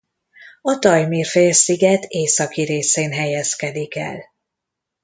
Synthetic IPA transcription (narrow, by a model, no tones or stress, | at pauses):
ɒt̪ɒjmiːrfeːlsiɡɛt̪ʰeːsɒkiɾeːseːnɦɛjɛskɛd̪ikɛ̰l